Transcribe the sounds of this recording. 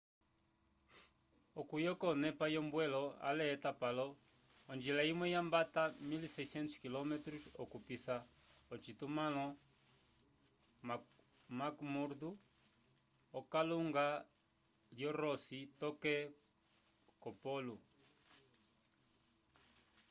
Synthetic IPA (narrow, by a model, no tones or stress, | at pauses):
ɔkujɔkɔnɛpajɔmbwɛlɔa̰lɛːtapalɔ | ɔnd͡ʒilaimwɛjambatamilisɛisɛnsu̥kilɔmɛtɾusɔkupisaɔt͡ʃit̪umalɔ | makmuɾd̪u | ɔkaluŋɡa | ljɔɾɔsitɔkɛ | kɔpɔlu